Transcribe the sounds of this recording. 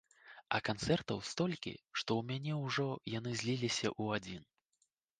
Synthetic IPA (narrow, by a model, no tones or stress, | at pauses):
ɐ̰kant̪sɛrt̪ɐwst̪ɔlʲkʲḭʂt̪ɔwmʲanʲɛwʐɔjanɨzʲlʲilʲisʲɐ̰ʔuad͡zʲin